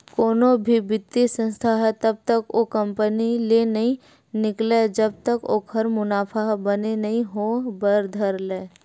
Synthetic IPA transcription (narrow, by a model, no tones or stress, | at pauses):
koːnobʱibɪt̪ːisə̃nst̪ʰaɦɛt̪ɐb̚t̪əkokɐ̃mpənilenɐɦĩ | nɪkled͡ʒɐb̚t̪əko̰ːkʰɐɾmʊnaːpʰaɦbɐnenɐɦĩɦobəɾd̪ʱəɾleː